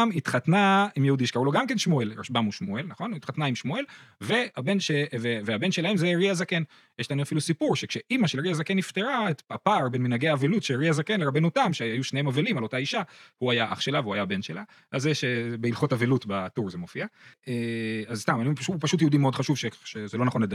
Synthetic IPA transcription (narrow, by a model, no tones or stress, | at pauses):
mit̪χatnaimjehudiʃkauloɡamkenʃmoelʁaʃbamuʃmoelnaχo̞nuit̪χat̪naimʃmoe̞lve̞abe̞nʃeveveabe̞nʃelahemzeʁiazaken | jeʃlaemafilusipuʁʃekʃe̞ʔimaʃelʁiazakenːift̪eʁaet̪apaʁbe̞nminaɡeaːvelutʃelʁiazakenleʁabe̞notamʃeajuʃnehemavelimalo̞taiʃahuajaʔa̰χʃelaveuajabenʃḛla | azeʃebeilχo̞tavelutbatuʁzemofiaeazst̪amajupʃupaʃut̬jeud̪imeod̪χaʃuvʃeʃezelo̞naχonled̪a